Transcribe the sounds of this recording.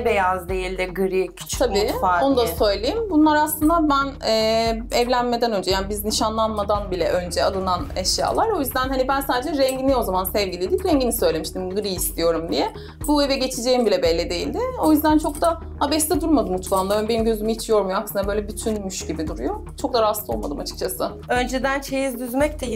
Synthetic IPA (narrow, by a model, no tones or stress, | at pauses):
bejazd̪ejilʲd̪ɪɡɯɾicʰt͡ʃtʰabiːao̞nud̪asø̞jlʲejimbunlˠaɾaslˠɯnd̪abænɛːɛvlʲænme̞d̪ænø̞nd͡ʒɛjaːnibizniʃanlˠanmad̪anbilʲɛ̰ʔø̞nd͡ʒɛalˠɯnanɛʃja̰ːlˠaɾo̞jyzd̪ænɦanibænsaːd̪ed͡ʒɛɾɛɲɟinio̞zamansɛvɟilʲed̪imɾɛɲɟinisøjlʲe̞miʃt̪imɡɯɾiːst̪ʰijo̞ɾumd̪ijɛ | buevɛɟe̞t͡ʃʰid͡ʒe̞jimbilʲɛbɛlʲːid̪e̞jilʲd̪ɪo̞jyzd̪ænt͡ʃʰo̞k̚d̪a | habɛst̪ɛd̪uɾmad̪ɯmut͡ʃlˠand̪ˠabe̞nimɟø̞zymihit͡ʃʰijo̞ɾmujoaksɯnd̪abø̞jlʲɛbyt̪ʰynmyʃɟibid̪uɾujo̞t͡ʃʰo̞k̚d̪aɾast̪ˠo̞lˠmad̪ɯmat͡ʃʰɯ̥k̚t͡ʃʰasɯ | ø̞nd͡ʒɛd̪ænt͡ʃʰejizd̪yzmɛc̚t̪ʰɛ